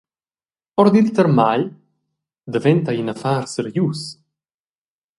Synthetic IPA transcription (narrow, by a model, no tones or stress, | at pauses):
ɔɾd̪ilt̪əɾmaʎ | d̪əvɛnt̪ainafaɾsəɾjus